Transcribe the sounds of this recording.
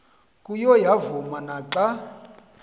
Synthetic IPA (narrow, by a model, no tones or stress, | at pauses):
kʼujɔjavumanaǁa